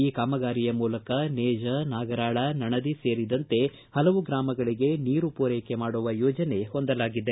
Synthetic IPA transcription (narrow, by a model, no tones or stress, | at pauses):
iːkaːmɐɡaːɾijɐmuːlɐkɐneːd͡ʒɐnaːɡɐɾaːɭɐnɐɳɐd̪ise̞ːɾid̪ɐnt̪e̞ | hɐlɐʋuɡɾaːmɐɡɐɭiɡe̞niːɾupoːɾeːkemaːɽuʋɐjɔːd͡ʒɐne̞ho̞nd̪ɐlaːɡid̪e